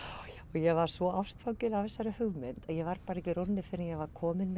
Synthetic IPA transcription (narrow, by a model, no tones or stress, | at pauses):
ɔɣjɛɣvaɾ̥svɔafst̪fawcʏlavfɛsːaɾɪhʏɣmɛnt̪ajɛɣvaɾpaːɾaɛhcɪɾonːɪfɪɾɪnjɛɣvaɾ̥kʰɔːmɪnm